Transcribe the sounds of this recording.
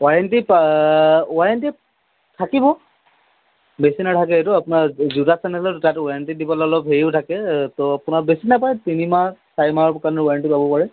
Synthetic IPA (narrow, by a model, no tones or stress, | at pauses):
waɹɛntip | waɹɛnti | tʰakibɔ | besinatʰakɛetʊapʊnazudasɛnɛlɔttatwaɹɛntidibɔlɔlɔpɦeɹiʊtʰakɛtɔapʊnabesinapajtinimasaɹimaɔpkanɔwaɹɛntipabɔpaɹɛ